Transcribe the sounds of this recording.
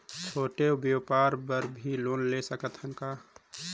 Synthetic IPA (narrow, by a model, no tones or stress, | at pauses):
t͡ʃʰoːʈeobjopaɾbəɾbʱiloːnlesəkət̪həŋka